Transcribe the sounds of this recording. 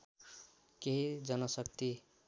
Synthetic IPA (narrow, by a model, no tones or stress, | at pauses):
keɦid͡zʌnʌsʌkt̪i